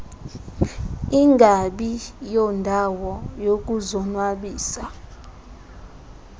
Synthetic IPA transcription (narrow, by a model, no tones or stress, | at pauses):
iŋɡʱaɓijɔndʱawɔjok̬ʼuzɔnwaɓiːsa